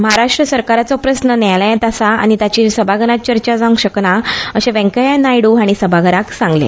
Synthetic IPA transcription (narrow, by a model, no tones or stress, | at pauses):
məɦaɾaʂʈɾəsəɾkaɾat͡sɔpɾəsnənɛljẽt̪asaa̰ɽ̃it̪jat͡ɕisəbʱaɡʱənat̪̚t͡ɕəɾt͡ɕad͡zaŋɡɕəknaəɕẽʋɛ̃ŋkəjanajɽuaɽ̃isəbʱaɡʱəɾaksãŋɡlḛ